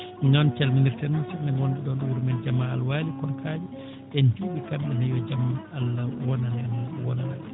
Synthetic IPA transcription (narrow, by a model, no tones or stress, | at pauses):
minɔnt͡ʃalminiɾtanunsɛmːɛnwɔnduɗɔnɗwuɾmɛld͡ʒamaːlwaːlikɔnkʰad͡ʒi | ɗɛnt͡ʃuːɓikamːɛnajɔd͡ʒamaalːawɔnannwɔnanan